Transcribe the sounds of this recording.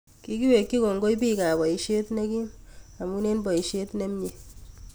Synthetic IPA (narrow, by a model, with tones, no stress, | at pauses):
ki˦ki˦we˨kːi˦ko˨ŋɡo˦i˦pi˦˨ka˨bɔ˨i˦ʃe˦tne˦ki˦ma˨mu˦ne˦nbɔ˨i˨ʃe˦tne˦m˦ɲe˨